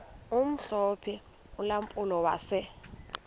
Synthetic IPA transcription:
um̩ɬɔpʰɛ | ulam̩pʼulɔwa̰ːsɛ

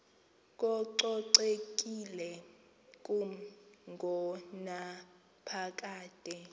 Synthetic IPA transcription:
kʼɔǃɔǀekʼilɛ | kʼuŋɡʱɔna | pʰak̬ʼaːtʼɛ

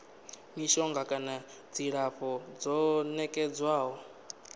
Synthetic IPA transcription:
miʃɔŋɡakʼana | d͡ziɺaɸɔd͡zɔnɛkʼɛd͡zwaːɦɔ

